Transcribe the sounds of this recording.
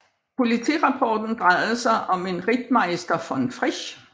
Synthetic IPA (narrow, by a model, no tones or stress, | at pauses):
pʰo̝lit͡sʰḭːʁɑ̈pʰɒ̰ːd̥n̩d̥ʁɑɪð̩ˠsɑ̈ɪʔɒ̽me̝nʁid̥mɑ̈ɪsd̥ɐfɒnfʁiɕ